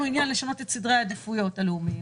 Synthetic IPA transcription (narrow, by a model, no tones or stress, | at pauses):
uinjanleʃano̞te̞tsidʁajad̪efujo̞taleumi